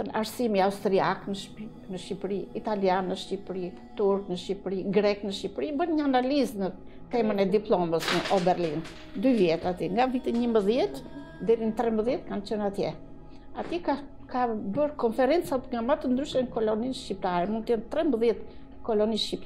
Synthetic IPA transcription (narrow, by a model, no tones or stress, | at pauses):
ənʔa̰ɾsimiaust̪ɾiaknəʃ | nəʃcipɾiit̪aljanːəʃcipɾi | t̪uɾknəʃipɾiɡɾɛknəʃcipɾibənɲəanaliznə | t̪ɛmənɛd̪iplˠɔməsnəʔɔbɛɾlin | d̪yvjɛt̪at̪iŋɡavit̪iɲəmbəðjɛt̪ | d̪ɛɾinət̪ɾɛmbəðjɛt̪̚kant͡ʃənat̪jɛ | at̪ika | kabəɾkɔnfɛɾɛnt͡sat̪ŋɡamat̪ənd̪ɾyʃəŋkɔlɔninʃcip̚t̪aɾɛmund̪̚t̪əjɛnt̪ɾɛmbəðjɛt̪ | kɔlɔniʃcip̚t̪